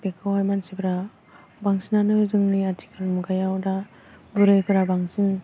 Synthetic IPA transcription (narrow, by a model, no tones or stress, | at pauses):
bekʰawajmansipʰɯɾa | baŋsinanɯzɯŋniatʰi̥kʰɯlmuɡajawda | bɯɾɯjkʰɯɾabaŋsin